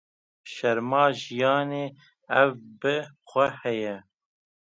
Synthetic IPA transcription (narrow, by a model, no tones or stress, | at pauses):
ʃɛɾmɑːʒijɑːneː | ɛvbɨxʷɛhɛjɛ